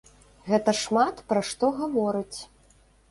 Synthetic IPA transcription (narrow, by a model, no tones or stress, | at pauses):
ɣɛt̪ɐʂmat̪pɾɐʂt̪ɔɣavɔɾɨt͡sʲ